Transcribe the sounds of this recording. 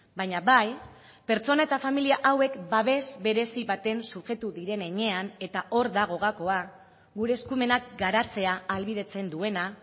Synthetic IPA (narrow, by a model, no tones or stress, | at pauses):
baɲaβaj | pe̞ɾt͡so̞nae̞t̪afamiliaʔawe̞kbaβ̞e̞zbe̞ɾe̞siβat̪e̞nsuʝe̞t̪uðiɾe̞ne̞ɲe̞ane̞t̪aʔo̞ɾðaɣ̞o̞ɣako̞a | ɣuɾe̞ːskume̞nak̚ɡaɾat͡se̞aːlβiðe̞t͡se̞nd̪ue̞na